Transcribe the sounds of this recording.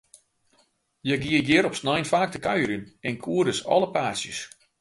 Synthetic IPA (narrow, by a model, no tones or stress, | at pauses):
jəɡiəɡɪɾɔpsnajnfaːk̚təkaɥəɾynɛnkʰuədəsɔ̰ləpaːsjə̰s